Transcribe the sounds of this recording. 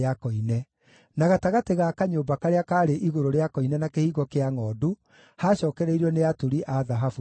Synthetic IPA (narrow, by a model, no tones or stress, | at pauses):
akɔinɛ | naɣataɣateɣakaɲoːbakaɾeakaːɾeʔiɣoɾoɾeakɔinɛnakehiːɣɔkeaŋɔːdu | haːɕɔːkɛɾɛiɾɔneatuɾiʔaðaɦafu